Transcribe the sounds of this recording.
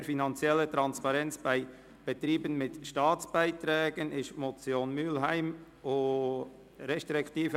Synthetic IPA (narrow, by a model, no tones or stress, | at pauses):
ɾfinɑnt͡sjɛlːət̪ɾɑnspɑɾɛnt͡sb̥aɪ | b̥ət̪ɾiːbənmɪtʃtɑːtt͡sb̥aɪt̪ɾɛːɡənɪʃtmɔt͡sjoːnmyːlɦæɪm | o | ɾɛʃtɾɛktiːf